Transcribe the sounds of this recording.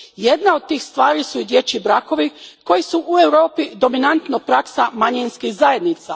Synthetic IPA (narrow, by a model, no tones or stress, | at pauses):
je̞d̪nao̞d̪̚t̪iːxst̪ʋaːɾisuid̪je̞t͡ɕibɾako̞ʋiko̞jisuʔue̞wɾo̞ːpid̪o̞minant̪nopɾaksamaɲinskixzaje̞d̪nit̪sa̰